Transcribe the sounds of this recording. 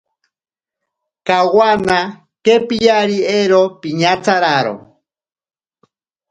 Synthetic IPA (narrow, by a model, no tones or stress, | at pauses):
kawana | kepijaɾieɾopiɲat͡saɾaɾo̰